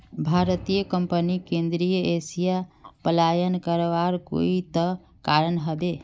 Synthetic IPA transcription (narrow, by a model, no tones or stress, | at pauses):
bʱaɾt̪ijəkəmpənikẽnd̪ɾijəesijapəlajənkəɾʋaɾko̰it̪ə | kaɾənɦəbe